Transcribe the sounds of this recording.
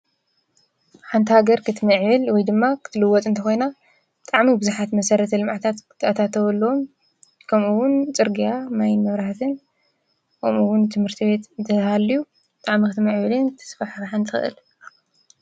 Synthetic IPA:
ħant̪ʰihaɡɐɾkʰɨt̪ʰmɐʕβɨlwɔjd̪ɨmːakʰɨ̥t̪ʰɨlɨwɔt̪ʼɨnt̪ʰɐxo̞jna | bɨt̪ʼaʕmibɨzuħat̪mɐsɐɾɐt̪ʰɐlɨmʕat̪ʰat̪kɨ̥t̪ʰɨat̪ʰat̪ʰɐwɐlːɐom | kʰɐmuwʊnt͡sʼɨɾɡijamajnmɨβɾahat̪ʰɨn | kʰomʔuwʊnt̪ʰɨmhɨɾt̪ʰiβe̞t̪ɨnt̪ʰɐthalːiju | bɨt̪ʼaʕmikɨt̪mɐʕβɨlɨnt̪ʰɨ̥sfaħɾaħant̪ʰixɨ̰ʔɨ̰l

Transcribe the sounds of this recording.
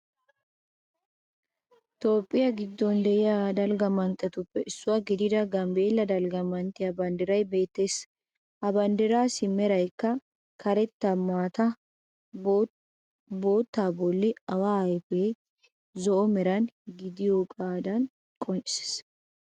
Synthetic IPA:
t̪o̞ːpʼːɪjɐɡɪd̪ːɔnd̪ɛʔɪjad̪ɐlɡɐmɐnt̪ʼːɛt̪ʊpːɛʔɪsːʊwaɡɪd̪ɪd̪ɐɡɐmbeːlːɐd̪ɐlɡɐmɐnt̪ʼːɪjɐbɐnd̪ɪɾɐjbe̞ːt̪ːeːs | hɐbɐnd̪ɪɾaːsɪmɛɾɐjkːɐ | kʰɐɾɛt̪ːɐmaːt̪ɐ | bo̞ːt̪ːaːbɔlːɪɐwaːjpeː | zɔʔɔmɛɾɐnɡɪd̪ɪjoːkʼaːd̪ɐn | kʼɔnt͡ʃse̥s

